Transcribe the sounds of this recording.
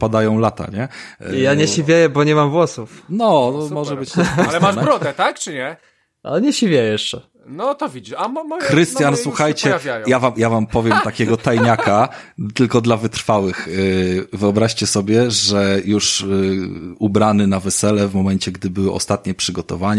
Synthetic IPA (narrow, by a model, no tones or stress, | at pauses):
pad̪ajɔ̃w̃lat̪a̰ɲɛjaɲɛɕivʲjejɛbɔɲɛmamvwɔsufnɔɔmɔʐɛbɘt͡ɕt̪ɛmaʐɾɔd̪ɛt̪akt͡ʂɨɲɛ | a̰ɲɛɕivʲjejjɛʂt͡ʂɛ | nɔt̪ɔvʲid͡ʑiʂamamːxɾɘst̪janswuxajt͡ɕɛvʲjajjavamjavampɔvʲjɛmt̪akʲɛɡɔt̪ajɲakat̪ɘlkɔd̪lavɘt̪ɾfawɘx | vɘɔbɾaɕt͡ɕɛsɔbʲjɛʐɛjuʂ | ubɾanɘnavɛsɛlɛvmɔmɛɲt͡ɕɛɡd̪ɘbɘwɔɔ̰st̪at̪̚ɲɛpʂɘɡɔt̪ɔvaɲ